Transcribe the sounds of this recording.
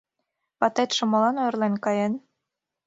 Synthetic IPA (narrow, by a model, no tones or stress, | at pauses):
pɑt̪ɑt̪ʃŏmɤ̆lˠɑnojrlenʲkɑjen